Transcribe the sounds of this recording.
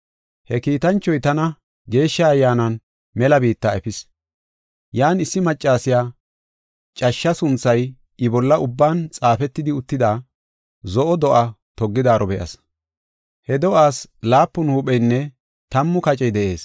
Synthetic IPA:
hɛkiːt̪ɐnt͡ʃːɔjt̪ɐnɐ | ɡe̞ːʃːɐːjːaːnɐn | mɛlɐbiːt̪ːaɛfɪs | jaːnɪsːɪmɐt͡ʃʼːaːsɪjaː | t͡ʃʼɐʃːɐsʊnt͡sːɐj | ɪbɔlːɐʔʊbːaːnt͡sʼaːfɛt̪ːɪd̪ɪʊt̪ːɪd̪aː | zɔʔɔd̪ɔʔɐ | t̪ɔɡːɪd̪aːɾʔɔbɛʔɐ̰s | hɛd̪ɔʔaːslaːpːʊnhuːɓʼɛjnːɛ | t̪ɐmːʊkɐt͡ʃʼɛjd̪ɛʔe̞ːs

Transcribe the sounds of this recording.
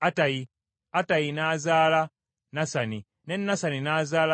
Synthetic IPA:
atai | atainazala | nasani | nɛnːasaninazala

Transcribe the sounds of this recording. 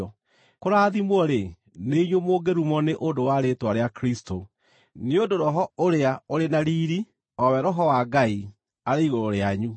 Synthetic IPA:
ɔ | koɾaðimwɔɾe | neiɲomoɡeɾumɔneʔondowaɾetwaɾeakɾistʰo | neondoɾɔɦɔoɾeaoɾenaɾiːɾi | ɔwɛɾɔɦɔwaɡai | aɾeiɣoɾoɾeaɲu

